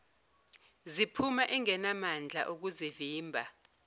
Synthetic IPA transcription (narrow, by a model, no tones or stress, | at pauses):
zipʰumaʔɛŋɛnamand͡ɮʱa̰ʔuk̬uziviːmbʱa